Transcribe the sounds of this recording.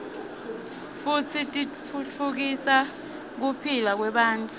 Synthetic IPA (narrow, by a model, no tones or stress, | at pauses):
fut͡sʰitʼit | ut͡fʰuk̬isa | k̬upʰilak̬wɛɓaːntʼu